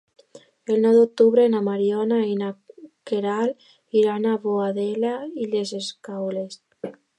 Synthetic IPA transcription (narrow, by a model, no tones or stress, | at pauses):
elnoðok̚t̪uβɾenamaɾjonainakeɾal | iɾanaβoaðelaileseskawles